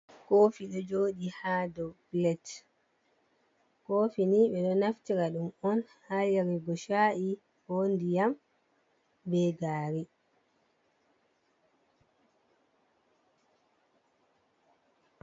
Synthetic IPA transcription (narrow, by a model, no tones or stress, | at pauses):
koːfiɗɔd͡ʒoːɗihadɔblɛt | koːfiniːɓɛɗɔnaftiɾaɗumɔnhajaɾiɡɔʃaʔi | hondijam | bɛɡaːɾi